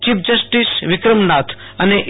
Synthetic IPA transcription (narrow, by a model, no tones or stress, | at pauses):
t͡ʃip̚d͡ʒəsʈisʋɪkɾəmnat̪ʰ | əneʔ